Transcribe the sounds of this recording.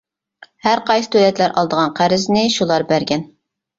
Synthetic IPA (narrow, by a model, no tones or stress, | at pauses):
hæɾqʰɑjsɨ̥t̪ʰølɛt̪læɾʔɑlˠd̪əʁɑnqʰæɾɪznɪʃulˠɑɾbæɾɡʲɛn